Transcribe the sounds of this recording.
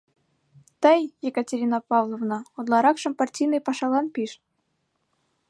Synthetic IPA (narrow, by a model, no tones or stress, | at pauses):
t̪əjjekətʲeɾʲinɑpɑvlˠovnɑot̪lˠɑɾɑkʃɤ̆mpɑrtʲijnɨjpɑʃɑlˠɑnpʲiʃ